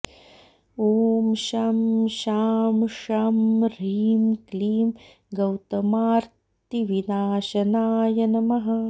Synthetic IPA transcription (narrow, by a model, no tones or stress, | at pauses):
oːmʃamʃaːmʃaːmɾiːmkliːm | ɡɐwt̪ɐmaːɾt̪iʋinaːʃɐnaːjɐnɐmɐɦɐ